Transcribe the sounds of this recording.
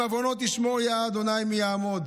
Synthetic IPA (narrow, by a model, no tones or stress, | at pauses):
avonot̪ismojaːd̪onajmijaːmod̪